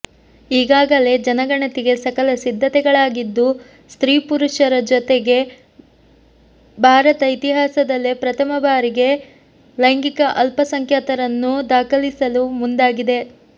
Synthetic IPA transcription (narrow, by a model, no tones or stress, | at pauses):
iːɡaːɡɐle̞d͡ʒɐnɐɡɐɳɐt̪iɡe̞sɐkɐlɐsid̪ʱːɐt̪ɛɡɐɭaːɡid̪ːu | st̪ɾiːpuɾuʃɐɾɐd͡ʒɔt̪e̞ɡe̞ | bʱaːɾɐt̪ɐit̪iɦaːsɐd̪ɐlːepɾɐt̪ʰɐmɐbaːɾiɡe̞ | lɐjŋɡikɐʔɐlpɐsɐŋkʰjɐt̪ɐɾɐnːud̪aːkɐlisɐlumund̪aːɡid̪e̞